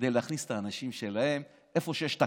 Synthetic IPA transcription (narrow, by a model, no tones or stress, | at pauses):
dejleaχnist̪aːnaʃimʃe̞lahe̞m | ʔe̞fo̞ʃejeʃt̪a